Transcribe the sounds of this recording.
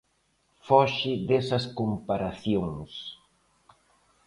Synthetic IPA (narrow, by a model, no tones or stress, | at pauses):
fɔʃɪðesɐskompaɾaθjoŋs